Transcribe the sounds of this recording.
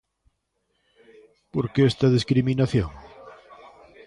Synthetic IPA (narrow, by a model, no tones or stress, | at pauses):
poɾkeest̪ɐðiskɾiminaθjoŋ